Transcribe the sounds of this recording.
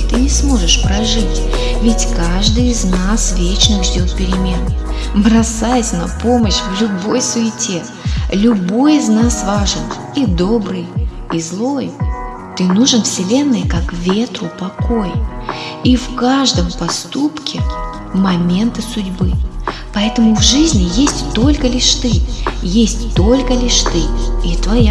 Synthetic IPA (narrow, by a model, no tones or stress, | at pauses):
t̪ɨnʲɪsmo̞ʐɨʂpɾɐʐɨtʲvʲɪtʲkaʐd̪ɨjɪznasvʲet͡ɕnɨxʐdʲo̞t̪̚pʲɪɾʲɪmʲe̞n | bɾɐsajəsʲnɐpo̞məɕvlʲʊbo̞jsʊɪtʲe | lʲʊbo̞jɪznasvaʐɨn | id̪o̞bɾɨj | izlˠo̞jʊ | t̪ɨnuʐɨnfsʲɪlʲe̞nːɨjkakvʲe̞t̪rʊpɐko̞j | ifkaʐd̪əmpɐst̪upkʲɪ | mɐmʲe̞nt̪ɨsʊdʲbɨpɐɛt̪əmʊvʐɨzʲnʲɪjesʲtʲt̪o̞lʲkəlʲɪʂt̪ɨjesʲtʲt̪o̞lʲkəlʲiʂt̪ɨit̪vɐja